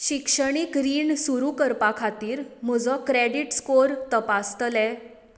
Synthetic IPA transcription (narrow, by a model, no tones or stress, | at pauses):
ɕikʂəɽ̃ikɾiːɳsuɾukəɾpãkʰat̪iːɾm̤əd͡zɔkɾeɽiʈskoɾt̪əpast̪əlɛ